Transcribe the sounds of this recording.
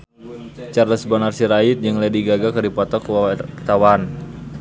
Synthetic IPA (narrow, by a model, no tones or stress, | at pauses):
t͡ʃarləsbɔnarsiɾait̪̚d͡ʒɨŋlɛdiɡaɡakɨrdipɔt̪ɔkt̪awan